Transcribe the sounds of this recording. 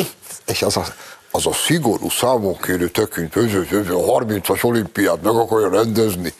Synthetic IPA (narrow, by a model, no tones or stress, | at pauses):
eːʃɛzɒ | ɒzɒsiɡo̞ɾṵːsaːmoŋkʰeːɾøːt̪økːynt̪øzøzøvøɦɒrmint̪sɒʃo̞limpijaːt̪mɛɡɒkɒrjɒɾɛnd̪ɛzni